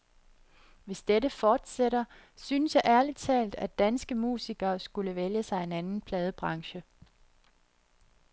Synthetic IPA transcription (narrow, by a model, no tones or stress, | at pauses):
ʋe̝sd̥eɾəfɒːd̥seɾɐ | synəsjɑ̈ɪʔæɐlid̥t͡sʰɛ̰ːld̥æd̥ænsɡ̥əmṵːsiɡ̥ɐːsɡ̥uləʋeljəsɑ̈ɪe̝nænn̩pʰlɛːð̞ˠəb̥ʁɑ̈ŋɕə